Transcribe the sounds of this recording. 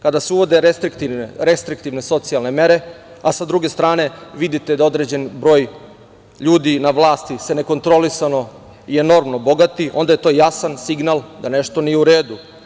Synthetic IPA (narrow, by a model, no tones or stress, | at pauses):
kad̪aseuʋo̞d̪eɾest̪ɾikt̪iɾe̞st̪ɾik̚t̪iʋne̞so̞t̪sijalne̞me̞ɾe̞ | asad̪ɾuɡe̞st̪ɾaːne̞ʋid̪it̪ed̪ao̞d̪ɾe̞d͡ʑe̞nbɾo̞ːj | ʎuːd̪inaʋlˠaːst̪ise̞ne̞ko̞nt̪ɾo̞lisano̞ | ieno̞ɾmno̞bo̞ɡat̪io̞nd̪aje̞t̪o̞ːjasansiɡnalˠd̪ane̞ʃt̪o̞nijeuɾeːd̪u